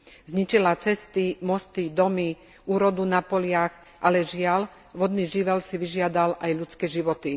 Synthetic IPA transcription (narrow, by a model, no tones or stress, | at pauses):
zɲit͡ʃilat͡sɛst̪imɔst̪id̪ɔmi | uːɾɔd̪unapɔlɪax | ʔalɛʒɪal | ʋɔd̪niːʒiʋɛlsiʋiʒɪad̪alʔajʎut͡skɛːʒiʋɔt̪i